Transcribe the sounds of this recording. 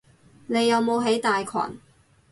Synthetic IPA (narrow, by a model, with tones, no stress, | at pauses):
ne˨˧jːɐ˨˧wmo˨˧wɦe˨˥jt̪aː˨jkʰwa̰ː˨˩n